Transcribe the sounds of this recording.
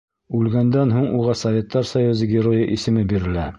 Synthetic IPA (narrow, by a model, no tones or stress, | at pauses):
ʉlɡænd̪ænɦuɴuʁɑsɐvʲe̞t̪ːɑɾsɐjuzɤɡʲɪɾojɤʔisɘ̆mɘbiɾɘ̆læ